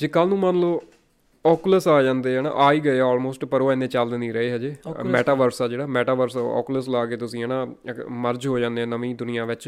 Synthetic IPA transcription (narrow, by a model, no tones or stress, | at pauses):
d͡ʒeːkəlnũːmənloː | ɔːkləsaːd͡ʒãːnd̪eːɦɛːna̰ːʔaːiːɡəeːɔːlmoːsʈpəɾoːɛɪnːẽːt͡ʃəld̪nĩːɾəeːɦɛd͡ʒeːmɛːʈaːʋəɾsɛːd͡ʒeːɽaːmɛːʈaːʋəɾsɔ̰ːkləslaːkeːt̪ʊsĩːɦɛːnãːməɾd͡ʒɦoːd͡ʒãːnd̪eːɛːnəʋĩːd̪ʊnɪjãːʋɪt͡ʃ